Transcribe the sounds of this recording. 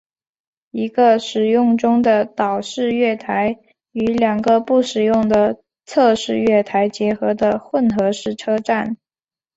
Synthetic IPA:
i˧˥ɡə˧ʂɻ̩˨˩jʊ˥˩ŋʈ͡ʂʊ˥ŋd̪ə˨t̪ɑ˨˩ʊʂɻ̩˥˧ɥɛ˥˩t̪ʰa˧˥ɪ | y˧˥ljɑ˨˩ŋɡə˧˦pu˥˩ʂɻ̩˨˩jʊ˥˩ŋd̪ə˩ | t͡sʰɤ˥˧ʂɻ̩˥˧ɥɛ˥˩t̪ʰa˧˥ɪt͡ɕjɛ˧˥xɤ˧˥d̪ə˧xwə˥˩nxɤ˧˥ʂɻ̩˥˩ʈ͡ʂʰɤ˥ʈ͡ʂa˥˩n

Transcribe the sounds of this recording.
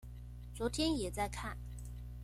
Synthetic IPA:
t͡swɔ˧˥t̪ʰjɛ˥njɛ˨˩t͡sa˥˧ɪkʰa˥˩n

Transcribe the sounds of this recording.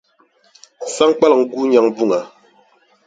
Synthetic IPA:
sa˦ŋk͡pa˦la˨ŋ̩˨ɡu˦ɲa˨ŋbu˦˨ŋa˨

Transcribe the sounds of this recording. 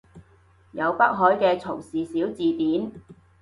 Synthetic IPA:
jɐ˨˧wpɐ˥k̚ɦɔː˨˥jkɛː˧t͡sʰʊ˨˩wsiː˨siː˨˥wt͡siː˨t̪iː˨˥n

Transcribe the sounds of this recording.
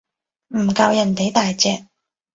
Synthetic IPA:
m̩˨˩kɐ˧wjɐ˨˩nt̪e˨˥jt̪aː˨jt͡sɛː˧k̚

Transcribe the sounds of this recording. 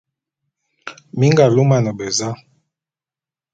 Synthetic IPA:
mi˦ŋɡa˨lu˦ma˨nə˨bɛ˨za˦

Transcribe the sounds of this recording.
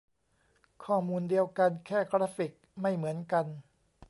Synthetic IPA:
kʰɔː˥˩muː˧ndi˧əwka˧nkʰɛː˥˩kɾaː˦˥fi˨˩k̚ma˥˩jmɯ˩˦ənka˧n

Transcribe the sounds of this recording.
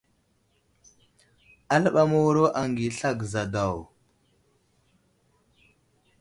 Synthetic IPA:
a˦lə˦ɓa˦mo˦wɾo˦ʔa˨ŋɡi˨ɬa˦˨ɡza˨da˨w

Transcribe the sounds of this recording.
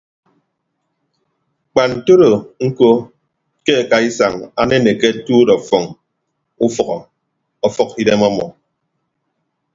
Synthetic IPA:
k͡pa˨n̩˨to˦ɾo˨ŋ̩˦ko˦ | ke˦a˨ka˨i˦sa˨ŋa̰˦ne˦ne˨ke˦tuː˦dɔ˨fɔ˨ŋ | u˦fɔ˨ɣɔ˨ | ɔ˨fɔ˦ki˦de˦mɔ˦mɔ̰˨

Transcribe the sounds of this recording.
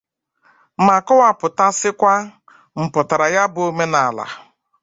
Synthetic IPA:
ma˨kɔ˦wa˨pʊ˨ta˦sɪ˦kʷa˦ | m̩˨pʊ˨ta˨ɾa˨ja˦bʊ˨o˦me˦na˨la̰˨

